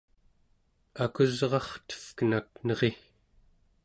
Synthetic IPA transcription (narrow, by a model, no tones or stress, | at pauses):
akuzʁɑχt̪ə̥fkənaknʌʁe̞